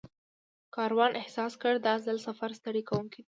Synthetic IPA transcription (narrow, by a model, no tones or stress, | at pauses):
kɑɾwɑnʔɪhsɑskəɽd̪ɑzəlsafaɾst̪əɽikawuŋkid̪i